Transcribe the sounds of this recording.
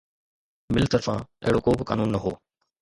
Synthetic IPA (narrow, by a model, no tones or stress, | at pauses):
mɪlt̪əɾfãːḛɦɪɽoːkoːbɪka̰ːnuːnːəɦo̰ː